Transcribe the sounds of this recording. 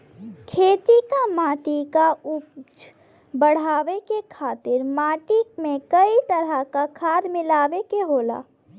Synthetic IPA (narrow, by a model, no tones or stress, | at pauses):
kʰeːt̪ikamaːʈikaʊt͡ʃ | bəɽ̤aːʋekekʰaːt̪ɪɾmaːʈikmẽkəit̪əɾəkakʰaːd̪mɪlaːʋekeɦoːla̰ː